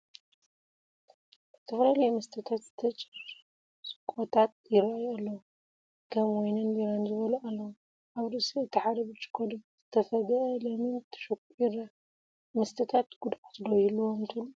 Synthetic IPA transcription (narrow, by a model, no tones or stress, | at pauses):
ʔɨt̪ʰɐflalɐjmɨst̪ʰɨt̪ʰat̪z̥ɨt̪ʰɐt͡ʃʼɪɾ | sʼɨkʼot̪ʰat̪̚jɪɾɐajalːɐw | kʰɐmojnɨnbiɾanzɨβɐlɐʔalːɐwu | ʔaβɾɨsiɨt̪ʰːɨħad̪ɐβɨt͡ʃʼɨ̥kʼʰːod̪ɐz̥ɨt̪ʰɐfɐɡɐʔɐlɐmɨnt̪ʰɐ̥ʃɨkʷʼiɾɐ | mɨst̪ʰɨt̪ʰat̪ɡ̥ud̪at̪lojilːuwomt̪ʰɨlu